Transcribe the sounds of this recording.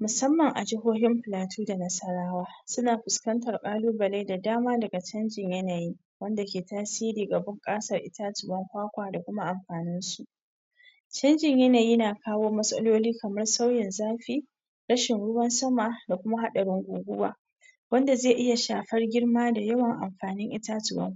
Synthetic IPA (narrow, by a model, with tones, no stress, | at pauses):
mʊ˨sɐ˦mːɐ˨ŋʔa̰˨d͡ʒɪ˦ɦoː˦ɦɪ˦mɸɪ˨laː˨tʰuː˦da˨nɐ˦sɐ˦ɽaː˦waː˦sʊ˦naː˨ɸʊ˨skɐ˦ntɐ˨rkʼaː˦luː˦bɐ˨la˦jda˨daː˦maː˦dɐ˨ɡa˨t͡ʃɐ˦nd͡ʒɪ˨ɲjɐ˦naː˨jiː˦ | wɐ˦nda˨kʲeː˨taː˦siː˦ɾiː˨ɡɐ˨bɐ˦ŋkʼaː˦sɐ˨rʔɪ˦ta˦tɪ˨bɐ˦ŋkʷaː˦kʷaː˨da˨kʷʊ˦ma˦ʔa˨mɸaː˨nɪ˦nsu˨ʔ | t͡ʃɐ˦nd͡ʒɪ˨ɲjɐ˦naː˨jiː˦naː˨kaː˦woː˦mɐ˦sʼɐ̰˦loː˦liː˦kɐ˨mɐ˦rsa˦wjɪ˨nzaː˦ɸiː˦ | ɽɐ˦ʃɪ˨nɽʊ˦wɐ˦nsɐ˦ma˨da˨kʷʊ˦ma˦ɦa˦ɗɐ˨ɽɪ˦ŋɡʷuː˨ɡʷʊ˦wa̰ː˨ | wɐ˦nda˨zeː˦˨ʔɪ˦ja˨ʃaː˨ɸɐ˦rɡʲɪ˦rmaː˦da˨jɐ˦wɐ˨ŋʔa̰˨mɸaː˨nɪ˦ŋʔɪ˦taː˦tʊ˨bɐ̰˦ŋ˦